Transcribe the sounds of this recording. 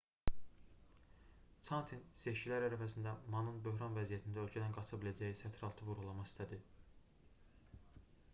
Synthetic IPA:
t͡s̪ʰɑnt̪ʰinse̞ʃcilæɾæɾæfæs̬ind̪æmɑnɯnbø̞ɦɾɑnvæzijæt̪ʰind̪æølcʰæd̪ænɡɑt͡ʃʰɑbilæd͡ʒæjisæt̪ʰɾɑlˠt̪ʰɯvuɾɣulˠɑmɑχist̪æd̪i

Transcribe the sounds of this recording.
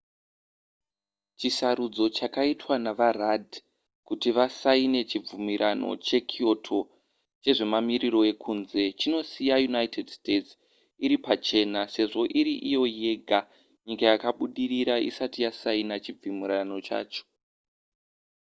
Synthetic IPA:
t͡ʃisaɾud͡zo̞t͡ʃakaitwanaʋaradʱ | kutiʋasaine̞t͡ʃib͡vumiɾʔano̞̰t͡ʃe̞kʰio̞tʰo̞ | t͡ʃe̞ʐe̞mamiɾiɾo̞e̞kʰunze̞t͡ʃino̞sijajunaite̞dstett͡s | iɾipat͡ʃe̞nase̞ʐo̞ʔiɾiʔijo̞je̞ːɡʱa | ɲikajakaɓuɗiriɾaʔḭsatijasainat͡ʃib͡vimiɾano̞t͡ʃa̰ːt͡ʃo̥

